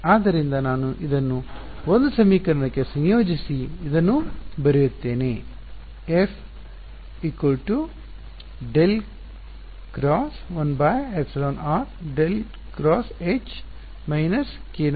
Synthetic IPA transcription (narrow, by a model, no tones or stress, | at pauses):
aːd̪ːɐɾind̪ɐnaːnuʔid̪ɐnːu | ond̪usɐmiːkɐɾɐɳɐkːesɐnjoːd͡ʒisiid̪ɐnːubɐɾejut̪ːe̞ːne | efʰ | iːkʋɐlʈu | ɖel | ɡ̥ɾaːsʋɐnbajeksiloːnaːɾɖel | kɾɔːset͡ʃ | mɐjnɐskeːn